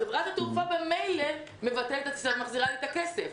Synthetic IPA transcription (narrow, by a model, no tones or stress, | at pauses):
evʁat̪at̪ufabemejle | me̞vat̪elet̪aamaχziʁalit̪akesef